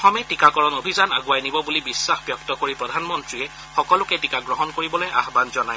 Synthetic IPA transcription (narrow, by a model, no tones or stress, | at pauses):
xɔmɛtikakɔɹɔnobʱizana̰ɡuwajnibɔbulibisːaxbjɔktɔkoɹipɹɔdʱanmɔntɹiɛ | xɔkɔlʊkɛtikaɡɹɔɦɔnkoɹibɔlojʔa̰xbanzɔnaj